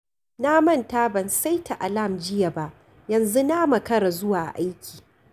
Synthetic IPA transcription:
naː˦mɐ˦˨ntaː˦bɐ˨nsa˦jtʰa˨ʔa˨la˦˨md͡ʒɪ˦ja˨ba˦ʔ | jɐ˨nzu˦naː˦mɐ˨kɐ˦ɽa˨zʊ˦waː˨ʔa̰˨ʔa˦jkʲi̥ː˨

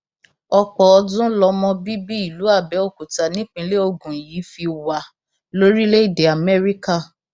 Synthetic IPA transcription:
ɔ˧k͡pɔ˨ɔ˧dũ˦lɔ˧mɔ̃˧bi˦bi˦i˦˨lu˨˦a˦˨bɛ˨˦o˦˨ku˨ta˨nĩ˨˦k͡pĩ˧˦le˦o˧ɡũ˨ji˨˦fi˧wa˧ | lo˦ɾi˦le˦i˦˨de˨a˨mɛ˦ɾi˦ka˦˨

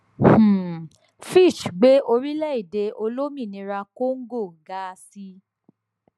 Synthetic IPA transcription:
h̩˦˨ | fi˦˨ʃɡ͡be˨˦ʔo˧ɾi˦lɛ˦i˦˨de˧o˧lo˦mĩ˦˨nĩ˧ɾa˧ko˦ŋ̩˦ɡo˦˨ɡa˦si˦

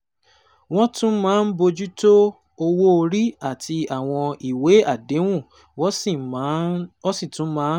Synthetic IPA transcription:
w̃ɔ̃˦tũ˦mãː˦˧n̩˦bo˧d͡ʒu˦to˦ | o˧wo˦o˧ɾi˦a˦˨tʰi˧a˨w̃ɔ̃˧i˨we˨˦a˦˨de˨˦w̃ũ˦˨ | wɔ̃˦si˦˨ | ɔ˦sĩ˦˨tũ˨˦mãː˨˦

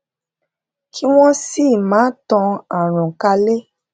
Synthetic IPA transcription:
kʰi˦w̃ɔ̃˦si˦˨mãː˨˦tɔ̃˧a˨ɾ̃ɔ̃˨ka˧le˦

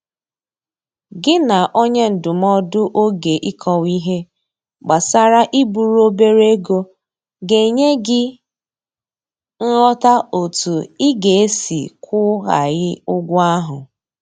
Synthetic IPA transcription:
ɡɪ˦na˨ʔo˦ɲe˦n̩˨dʊ˨m˦ɔ˦dʊ˦ʔo˦ɡe˨ʔi˦kʰɔ˨wi˦ɦe˦ | ɡ͡ba˨sa˦ɾa˦ʔi˦bu˨ɾu˦o˦be˦ɾe˦ɡo˦ | ɡe˨i˨ɲe˦ɡɪ˦ | ŋ̩˦ɦɔ˦ta˦o˨tu˨ɪ˦ɡe˨e˦sḭ˨kʊ˦ɣa̰˨ɣɪ˦ʊ˦ɡʷʊ˦a˦ɦʊ˨

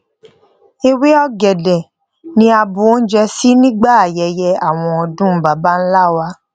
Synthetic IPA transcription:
e˧we˦ɔ˦ɡɛ˨dɛ˨ | nĩ˧˦a˧bu˨o˦n̩˦d͡ʒɛ˧si˦nĩ˦ɡ͡ba˦a˨jɛ˨jɛ˧a˨w̃ɔ̃˧ɔ˨dũ˦ba˨ba˦n̩˦la˦˨wa˧˦

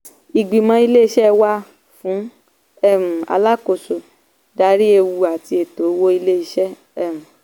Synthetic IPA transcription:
i˨ɡ͡bi˨mã˧˦i˧le˦i˧ʃɛ˦wa˦ | fũ˨˦ | ɛ˦˨m̩˨a̰˧la˦ko˨so˨ | da˧ɾi˦e˧wu˧a˨ti˧e˨to˨˦wo˦i˧le˦i˧ʃɛ˦ | ɛ˦˨m̩˨

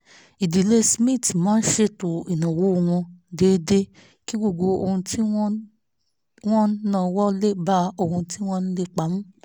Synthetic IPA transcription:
i˨di˨le˦smĩ˦˨tmãː˨˦n̩˦ʃe˧to˨i˨nã˨wo˨˦˧w̃ɔ̃˧de˨˧˦de˦ | ki˦ɡo˦˨ɡ͡bo˧o˧hũ˧ti˦ | w̃ɔ̃˦nãː˦˧˨wɔ˦le˦ba˦o˧hũ˧ti˦w̃ɔ̃˦ñ̩˦le˧k͡pa˨˦mũ˦

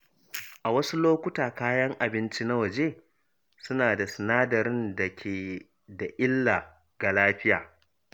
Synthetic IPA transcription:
ʔa˨wɐ˦su˦loː˦kʷʊ˦taː˨kaː˦jɐ˦ŋʔa˨bɪ˦nt͡ʃi˦na˦wɐ˨d͡ʒe˦ | sʊ˦naː˨da˨sɪ˨naː˦dɐ˨ɾɪ˦nda˨kʲʰeː˨ | da˨ʔɪ˦lːa˨ | ɡ̥a˨laː˦ɸɪ˦ja̰ː˨

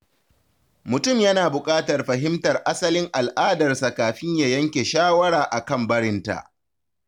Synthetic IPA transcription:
mʊ˨tʊ˦˨mjɐ˦naː˨bʊ˨kʼaː˦tɐ˨rɸɐ˨ɦɪ˦mtɐ˨rʔa˦sɐ˦lɪ˦ŋʔa˨lʔaː˦dɐ˨rsa˨kaː˨ɸɪ˦ɲja˨jɐ˦ŋkʲe˨ʃaː˦wɐ˦ɽaː˨ʔa˨kɐ˦˨mbɐ˦ɽɪ˦nta̰˨ʔ

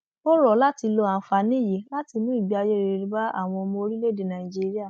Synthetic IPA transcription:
o˦ɾɔ˨la˦ti˧lo˧a˨fa˨nĩ˦˨je˨˦la˦ti˧nũ˦i˨ɡ͡bi˨˦a˧je˦˨ɾe˨ɾi˧˦ba˦a̰˦˨w̃ɔ̃˧mo˧o˧ɾi˦le˦˨de˨nã˨i˨d͡ʒi˦ɾi˦a˦˨

